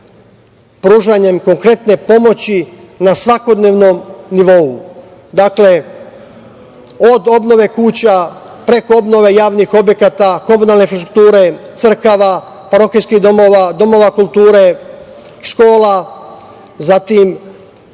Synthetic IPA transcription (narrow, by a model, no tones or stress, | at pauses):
pɾuːʒaɲe̞mko̞ŋkɾe̞t̪ne̞po̞mo̞t͡ɕi | nasʋako̞d̪ne̞ːʋno̞mniʋo̞u | d̪akle̞ | o̞d̪o̞bno̞ʋe̞kuːt͡ɕa | pɾe̞ko̞obno̞ʋe̞jaːʋnixo̞bje̞kat̪ako̞munalne̞infɾast̪ɾu̥k̚t̪uːɾe̞t̪sr̩kaʋa | paɾo̞xijskiad̪o̞mo̞ʋakulˠt̪uːɾe | ʃko̞ːla | zat̪im